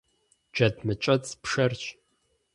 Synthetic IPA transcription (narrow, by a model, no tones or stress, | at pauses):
d͡ʒɐdʰmɨt͡ʃʼɐt͡sʼpʂɐrt͡ʃʼ